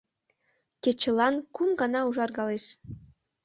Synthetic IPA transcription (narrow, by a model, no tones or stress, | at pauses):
kʲet͡ɕə̆lɑnkunɡɑnɑuʒɑrɡɑleʃ